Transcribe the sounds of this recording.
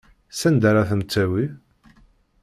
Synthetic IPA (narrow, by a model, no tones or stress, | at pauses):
sænd̪aɾaθəmt͡sːæwi